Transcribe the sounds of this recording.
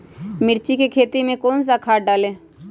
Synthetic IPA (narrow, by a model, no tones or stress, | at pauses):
mɪɾt͡ʃikekʰeːt̪imẽkoːns̬akʰaːʈ̚ɖaːlẽː